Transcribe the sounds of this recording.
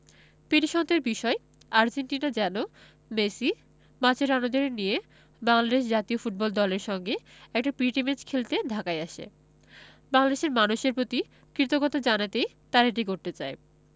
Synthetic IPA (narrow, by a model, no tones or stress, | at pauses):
piɾiʃɔnt̪eɾbiʃɔe | aɾd͡ʑenʈinad͡ʑɛno | mesi | mat͡ɕʰeɾanod̪oɾenije | baŋlad̪eʃ̬d͡ʑat̪iofuʈ̚bɔld̪ɔleɾʃɔŋɡeɛk̚ʈapɾiʈimed͡ʑkʰelt̪ed̪ʱakaeaʃḛ | baŋlad̪eʃeɾmanuʃeɾpot̪i | kɾit̪oɡɔt̪ad͡ʑanat̪ej | t̪aɾeʈ̬ikoɾt̪et͡ɕae